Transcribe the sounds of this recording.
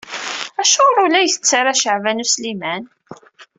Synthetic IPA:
æʃʊɾˤulæjθə̥t͡sːaɾaʃəʕvænuslimæn

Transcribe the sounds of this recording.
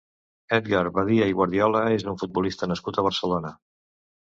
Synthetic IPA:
ɛt̪ɣaɾβaðiəiɣwaɾðijɔləezðuɱfud̪̚bulist̪ənəskut̪əβ̞ərsəlonə

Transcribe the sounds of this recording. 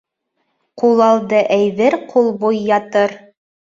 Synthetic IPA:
qulˠɑlˠd̪ɤʔæjðɘɾqʰulˠbujːɑt̪ɤɾ

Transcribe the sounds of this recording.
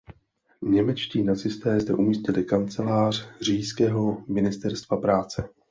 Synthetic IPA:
ɲɛmɛt͡ʃciːnat͡sɪst̪ɛːzdɛʔumiːscɪlɪkant͡sɛlaːr̝̥r̝iːjskɛːɦo̞mɪnɪst̪ɛɾst̪vapɾaːt͡sɛ

